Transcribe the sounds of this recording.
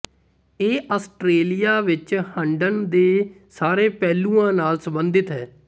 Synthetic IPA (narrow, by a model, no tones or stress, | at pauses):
eːʔaːsʈɾeːlijaːʋɪt͡ʃhəɳɖənd̪eː | saːɾeːpɛːlũːãːnaːlsəbənd̪ɪt̪ɦɛː